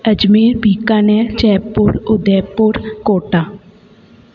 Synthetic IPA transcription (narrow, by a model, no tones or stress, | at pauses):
əd͡ʒmiːɾbʱiːkaːnɛt͡ʃɛːpːʊɾʊd̪ɛːpːʊɾkoːʈaː